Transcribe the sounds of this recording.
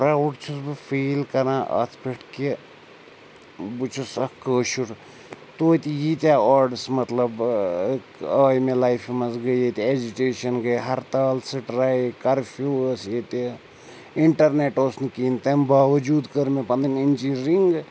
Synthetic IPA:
ɾauʈt͡ʃʰusbɨfiːlkɐɾãːʔɐ̰t̪ʰpiʈke | but͡ʃʰusɐkəːʃuɾ | t̪oːt̪ijit̪ʲaːɔːɾɖsmɐt̪lɐbkəːjmelaːjfimɐsɡəjet̪ed͡ʒuʈeːʃɐnɡəjɦɐɾt̪aːlsɨʈɾaːikɐɾfʰuːəset̪i | iɳʈɐɾneʈoːsnikiːnt̪ɐmbaːʋɐd͡ʒuːd̪kəɾmepɐnd̪ɐnint͡ʃiɾiŋɡ

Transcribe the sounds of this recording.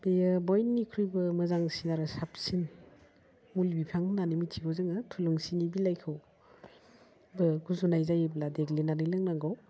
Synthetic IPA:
bejabɔjnːikʰɾujbɯmɐzaŋsinaɾɯsap̚sin | mulbipʰaŋnanimitʰiɡʰowzɯŋɯtʰuluŋsinibilajkʰɯw | bɯɡʰuzunajzajbladeɡlinanɯjlɯŋnaŋɡaw

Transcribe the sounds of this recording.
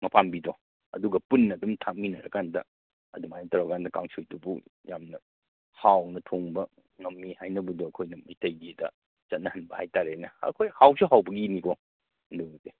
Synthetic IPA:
mɐpambidɔ | ɐ̰duɡɐpunːɐdumtʰak̚minɐɾɐkandɐ̰ | ɐ̰dumajnɐtɐɾɐkandɐkaŋsujdubujamnɐ | hawnɐtʰoŋbɐ | ŋɐmːihajnɐbudoɐkʰojnɐmɐjtɐjɡidɐ̰ | t͡ʃɐt̚nɐhɐnbɐhajtaɾenɐɐ̰kʰojhawsuɦawbɐɡinikɔ | ɐndude

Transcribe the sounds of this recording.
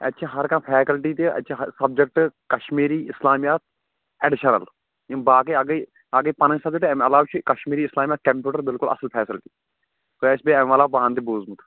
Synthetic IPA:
ɐ̰tːʃʰiɦɐɾkãːpʰɛːkəlʈiːt̪eɐ̰tːt͡ʃʰaɦsɐb̚d͡ʒek̚ʈkɐʃmiːɾiːɪslaːmijaːt̪̚ʰ | ɛɖɪʃɐnɐ̰l | ĩbaːkiɐɡi | aɡiːpɐnə̃sɐbd͡ʒekʈɛmɐlaːwt͡ʃʰikɐʃmiːɾiːslaːmijaːt̪̚kɐmpʲjuːʈɐɾbɪlkʊlɐ̰səlpʰɛːsɪlʈiː | t̪oːɛːsbeɛmʋalaːpãːnt̪ebuːzmut̪ʰ

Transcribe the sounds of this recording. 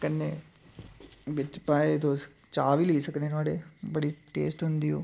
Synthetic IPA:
kənːe | ʋɪt͡ʃpaːet̪os | t͡ʃaːʋiliːsəknenaːɽebəɽiʈḛːsʈɦʊ̃nd̪ioː

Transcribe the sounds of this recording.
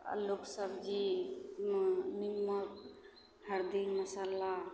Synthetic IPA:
loksəbd͡ʒi | nimət̪ | həɾd̪ikmɐsala

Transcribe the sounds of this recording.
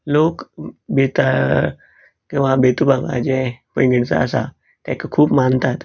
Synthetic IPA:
loːkbit̪a | kĩwʋabet̪ubaɡa̰d͡ʑɛpõĩɡiɽt͡sa̰əsa̰ | t̪ɛ̰kakʰuːpmant̪at̪

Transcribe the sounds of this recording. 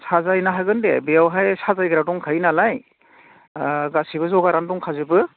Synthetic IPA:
sazajnaɦaɡɯndebejawɦajsazajɡɯɾadɔŋkʰajnalaj | ɡasibɯzɔɡaɾandɔŋkʰazɯbɯ

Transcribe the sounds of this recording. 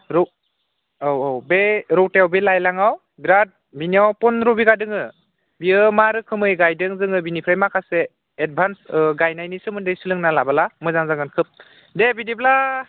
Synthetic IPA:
ɾɔ | wwbeɾɔwteawbelajlaŋaw | bɾat̚ | biniawpɔnɾubiɡadɯŋɯ | biɯmaɾɯkʰɯmɯjɡajdɯŋzɯŋɯbinipʰɾajmakʰaseː | d̚bʱansɡajnajnisɯmɯndɯjsɯlɯŋnalabalamɯjzaŋzaŋɡɯnkʰɯp̚ | debidibla

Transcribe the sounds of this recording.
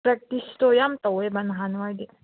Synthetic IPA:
pɾɐk̚t̪ist̪ojamt̪ɐwebɐnɦanʋad̪i

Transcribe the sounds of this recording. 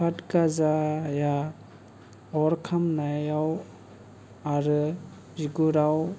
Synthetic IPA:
pʰatkazaja | ɔɾkʰamnajaw | aɾɯ | ziɡuɾaw

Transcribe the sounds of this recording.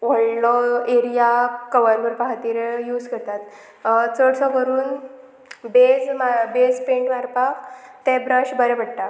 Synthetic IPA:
ʋəɭlɔeɾijakəʋəɾbəɾpaɦt̪iːɾjuːd͡zkəɾt̪at̪ | t͡səɽsɔ̃kəɾuːn | bed͡zmabed͡zpẽɳʈʋaɾpakt̪ɛ̃bɾəɕbəɾɛbəɽʈ̪a

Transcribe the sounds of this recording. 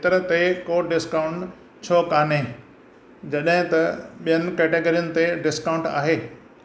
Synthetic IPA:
t̪ɐɾət̪ekoːɖɪskaːʊ̃ɳʈ | t͡ɕʰɔːkaːne | d͡ʑɐɗɦɪ̃t̪ɐɓijənɪ̆kɛːʈeːɡoːɾijənɪ̆t̪eɖɪskãʊ̃ɳʈa̰ːɦeː

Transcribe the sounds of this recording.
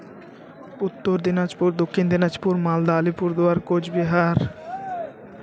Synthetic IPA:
ʊt̪ːoɾd̪inad͡ʒpuɾd̪okʰːind̪inad͡ʒpuɾmaːld̪aːlipuɾd̪ʊaːɾkod͡ʒbiɦaːɾ

